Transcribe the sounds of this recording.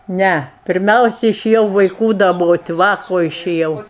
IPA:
ˈnʲɛ pʲɪrʲˈmʲɛʊsʲɪ ɪʃʲeːˈjɛʊ ʋɐɪˈkuː dɐˈboːtʲ ˈʋɐ koː ɪʃʲeːˈjɛʊ

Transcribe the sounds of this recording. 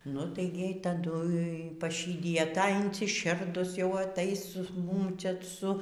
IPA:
nʊ ˈtɐɪ ɡʲɪ ˈjɛɪ tɐˈdʊ pɐˈʃʲiːdʲɪjɛ ˈtɐ ɪnʲsʲɪˈʃʲɪrdʊs jɛʊ ɐˈtɐɪs ˈmʊm ˈt͡ʃʲɛ ˈsʊ

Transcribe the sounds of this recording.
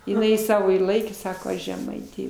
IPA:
ɪˈnɐɪ ˈsɑːʋoː ɪr ˈlˠɐɪkʲeː ˈsɑːkoː ˈɐʃ ʒʲɛˈmɐɪtʲeː

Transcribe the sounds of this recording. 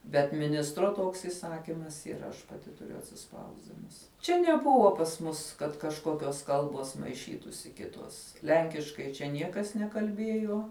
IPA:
bʲɛt mʲɪˈnʲɪstroː ˈtoːks iːˈsɑːkʲiːmɐs iːˈrɐ ɐʃ pɐˈtʲɪ tʊˈrʲʊ ɐtʲsʲɪˈspɐʊzʲdʲɪnʊs ˈt͡ʃʲɛ nʲɛˈbʊʋoː pɐs ˈmʊs kɐt kɐʃˈkoːkʲoːs ˈkɐlˠboːs mɐɪˈʃʲiːtuːsʲɪ ˈkʲɪtoːs ˈlʲɛŋʲkʲɪʃkɐɪ t͡ʃʲɛ ˈnʲiɛkɐs nʲɛkɐlʲˈbʲiɛjuɔ

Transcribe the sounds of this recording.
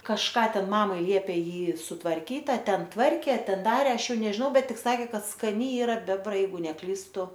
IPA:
kɐʃˈkɑː ˈtʲɛn ˈmɑːmɐɪ ˈlʲiɛpʲeː ˈjiː sʊtʋɐrʲˈkʲiːt ɐ ˈtʲɛn tʋɐrʲkʲeː ɐ ˈtʲɛn ˈdɑːrʲeː ˈɐʃ ˈjɛʊ nʲɛʒʲɪˈnɐʊ ˈbʲɛt ˈtʲɪk sɐˈkʲeː ˈkɐt skɐˈnʲɪ ˈiːrɐ ˈbʲæːbrɐ ˈjɛɪɡʊ nʲɛˈklʲiːstʊ

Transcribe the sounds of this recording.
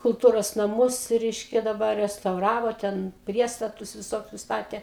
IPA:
kʊlˠˈtuːroːs nɐˈmʊs ˈrʲɛɪʃʲkʲɛ dɐˈbɐr rʲɛstɐʊˈrɑːʋoː ˈtʲɛn ˈpʲrʲiɛstɐtʊs ʋʲɪˈsoːkʲʊs ˈstɑːtʲeː

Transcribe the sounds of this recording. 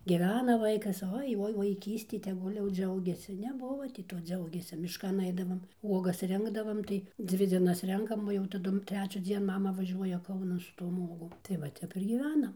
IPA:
ɡʲiːˈʋʲæːnɐ ˈʋɐɪkɐs ˈoːɪ ˈoːɪ ʋɐɪˈkʲiːsʲtʲɪ tʲɛˈɡʊlʲ jɛʊ ˈd͡ʒʲɛʊɡʲɛsʲɪ nʲɛˈbʊʋoː tʲɪ ˈtoː ˈd͡zʲɛʊɡʲeːsʲɪ mʲɪʃˈkɐn ˈɐɪdɐʋoːm ˈuɔɡɐs ˈrʲɪŋɡdɐʋɐm tɐɪ ˈd͡zʲʋʲɪ ˈd͡zʲiɛnɐs ˈrʲɛŋkɐm oː jɛʊ tɐˈdʊm tʲrʲɛt͡ʃʲuːˈd͡zʲiɛn ˈmɑːmɐ ʋɐˈʒʲuɔjɛ ˈkɐʊnɐn sʊ toːm ˈuɔɡoːm tɐɪ ˈʋɐ ˈtʲɛp ɪr ɡʲiːˈʋʲæːnɐm

